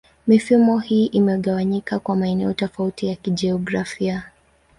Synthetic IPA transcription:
mifumɔhiːʔimɛɠawaɲikakwamaɛnɛɔtɔfautijakiʄɛɔɡɾafia

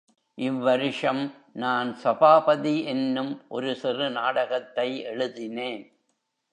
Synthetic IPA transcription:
ʔɪʋːɐɾɪʂɐm | naːnsɐbaːpɐðiɛnːɯmʔɔɾɯsɪrɯnaːɽɐɣɐt̪ːɐɪɛɻɯðɪneːn

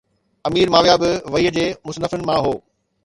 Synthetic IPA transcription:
ɐmiːɾmaːʋjaːbɪʋɐiːəd͡ʑeːmʊsnəfʊnɪ̆mãɦoː

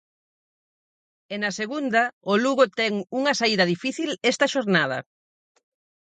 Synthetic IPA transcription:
enɐseɣund̪ɐoluɣot̪ɛŋuŋɐsaiðɐðifiθilɛst̪ɐʃoɾnað̞ɐ̰

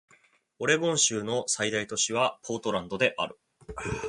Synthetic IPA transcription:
o̞ɾe̞ɡõ̞ɰ̃ɕɨːno̞said̪ait̪o̞ɕiβ̞apʰo̞ːt̪o̞ɾãnd̪o̞d̪e̞ʔaɾɯ̟

